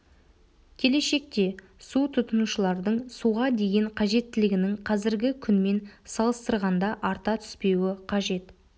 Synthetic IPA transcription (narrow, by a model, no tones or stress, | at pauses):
kʲʰe̞le̞ʃe̞k̚t̪e̞ | sut̪ʰʊt̪ənuʃəlˠɑɾd̪əɴsuʁɑd̪e̞ɡʲe̞ɴqʰɑʒe̞t̪ːɪlɪɡʲɪnɪŋqʰɑzɪɾɡʲɪkʲʰʏnme̞nsɑlˠəst̪əɾʁɑnd̪ɑʔɑɾt̪ɑt̪ʰʏ̥spe̞wɪqʰɑʒe̞t̪